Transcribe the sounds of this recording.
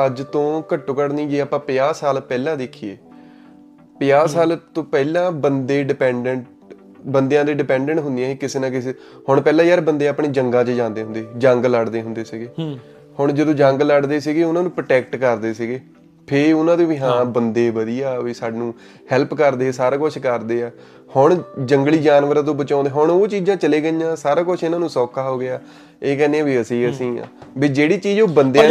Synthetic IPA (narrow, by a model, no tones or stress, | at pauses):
əd͡ʒt̪õːkəʈːõːkəɽnĩːɡeːaːpãːpɪjaːsaːlpɛːlãːd̪eːkʰieː | pɪjaːsaːlt̪õːpɛːlãːbənd̪eːɖɪpɛ̃ːɳɖəɳʈ | bənd̪ejãːd̪iːɖɪpɛ̃ːɳɖəɳʈɦʊ̃nd̪ijãːɦiːkɪseːnãːkɪs | hʊɳpɛːlãːjaːɾbənd̪eːaːpɳeːd͡ʒəŋɡãːt͡ʃəd͡ʒãːnd̪eːɦʊ̃nd̪eːd͡ʒəŋɡləɽd̪eːɦʊ̃nd̪eːsɪɡeː | hʊɳd͡ʒəd̪õːd͡ʒə̃ŋɡləɽd̪eːsɪɡeːʊnãːnũːpɾəʈɛːkʈkəɾd̪eːsɪɡeː | pʰɪɾʊnãːd̪ẽːʋiːɦãːbənd̪eːbəd̪ijaːʋiːsaːɖnũː | hɛːlpkəɾd̪eːsaːɾaːkʊt͡ʃʰkəɾd̪eːaː | hʊɳd͡ʒəŋɡliːd͡ʒaːnʋəɾãːt̪̬õːbət͡ʃãːnd̪eːɦʊɳoːt͡ʃiːd͡ʒãːt͡ʃəleːɡəijãːsaːɾaːkʊt͡ʃʰɪnãːnũːsɔːkʰaːɦoːɡɪaː | eːkɛ̃ːnẽãbiːəsĩːəsĩːã̰ːbiːd͡ʒeːɽiːt͡ʃiːd͡ʒoːbənd̪e